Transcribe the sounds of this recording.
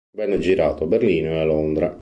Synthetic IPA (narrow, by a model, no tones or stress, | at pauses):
bɛnːd͡ʒiɾaːt̪oaberliːnoealːond̪ɾa